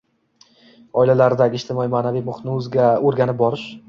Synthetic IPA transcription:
ɒɪlalaɾɪd̪aɡʲɪʃt̪ʰɪmɒimaːnavijmʊχt̪nɪɵzɡʲaoɾɡʲanɪp̚bɒɾɪʃ

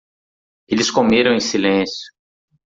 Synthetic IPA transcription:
elɪskomeɾɐ̃w̃ẽj̃silẽsjʊ̥

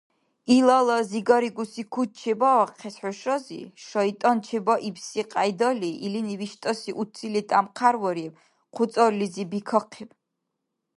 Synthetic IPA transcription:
ilalɔziɡɔɾiɡusikʰut̪̚t͡ʃʰɛbaaqʰɛsħɔʃɔzḭʃɔit̪ʼɔnt͡ʃʰɛbɔʔibsiqʼajd̪ɔliːliniviʃt̪ʼɔsiʔut̪sʰilit̪ʼamqʰaɾvɔɾiw | qʰut̪sʼɔɾlizibikʰɔqʰiw

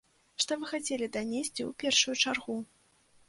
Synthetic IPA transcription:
ʂt̪ɔvɨxat͡sʲelʲid̪anʲesʲt͡sʲiṵpʲɛrʂujut͡ʂarɣu

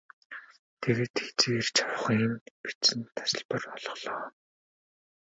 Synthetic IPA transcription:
t̪ʰeɣeːt̪xe̥t͡seːrt͡ɕʰawχiːnpit͡st͡sɘ̆nt̪ʰḁsɪ̆ɮpə̆rɔɮɞ̆χɮ̥ɔː

